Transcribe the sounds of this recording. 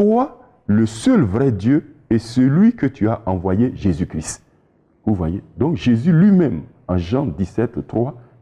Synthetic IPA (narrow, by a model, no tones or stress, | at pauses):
t̪wa | ləsœlvʁɛd̪jøɛsəlɥikət̪ʰyaʔɑ̃vwajeʒezykɾist̪ | vuvwajed̪ɔ̃kʒezylɥimɛ̃m | ɑ̃ʒɑ̃d̪isɛt̪ːχwa